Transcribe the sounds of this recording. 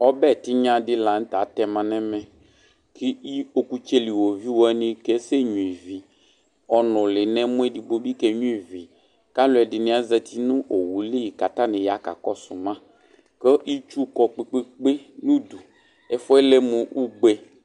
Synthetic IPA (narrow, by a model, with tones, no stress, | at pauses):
ɔ˦bɛ˦˨t̪ɪ˦ɲã˦dɪ˦la˨n̩˦t̪a˨˦t̪ɛ˨mã˨nɛ̃˦mɛ̃˨ | kʰi˦i˦o˨ku˨t͡ʃe˦li˨wo˨vi˦wo˦ɛ˦nĩ˦kɛ˦se˦ɲũ˨i˨vi˨ | ɔ˨nʊ̃˨lɪ˨nɛ̃˦mʊ̃˦ɛ˦di˨bo˦bi˦kɛ˨ɲũ˦i˨vi˨ | ka˦lʊ˨˦ɛ˨dɪ˨nɪ̃˦a˦zɛ˨t̪ʰi˦nʊ̃˦ʔo˨wu˨li˦i˨ka˨t̪a˦nɪ̃˨ja˨˦ka̰˨kɔ˦sʊ˨mã˦ | kə˦ʔi˦t͡ʃu˦kɔ˨k͡pe˦k͡pe˦k͡pe˦nũ˦d̪u˨ | ɛ˨fɔ˦ɛ˦le˦mũ˨ʔu˦ɡ͡be˦